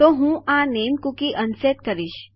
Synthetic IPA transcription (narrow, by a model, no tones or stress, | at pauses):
t̪oɦũːʔãnemkukiʔənset̪kəɾiɕ